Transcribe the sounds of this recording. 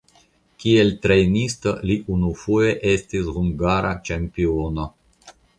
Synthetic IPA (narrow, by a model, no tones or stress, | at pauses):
kielt̪ɾejnist̪oliʔunufuje̞ʔestishuŋɡaɾat͡ʃempiono